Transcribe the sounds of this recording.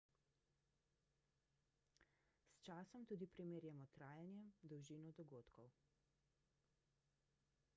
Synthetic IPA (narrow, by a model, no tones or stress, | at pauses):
st͡ʃaːsɔmt̪uːd̪ipɾimeːɾjɛmɔt̪ɾaːjanjɛmd̪ɔwʒiːnɔd̪ɔɡoːt̪kʰɔw